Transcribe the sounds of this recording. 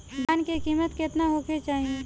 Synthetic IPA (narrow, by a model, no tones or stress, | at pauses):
baːnkekiːmət̪kɪt̪naɦoːkʰet͡ʃaːɦie